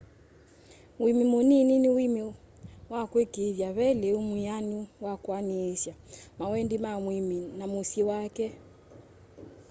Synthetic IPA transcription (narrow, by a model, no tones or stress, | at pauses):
wimimunininiwimi | wakwɛkivjaβɛlɛumijaniwakwaniɛʃjamawɛndimamwiminamusiwakɛ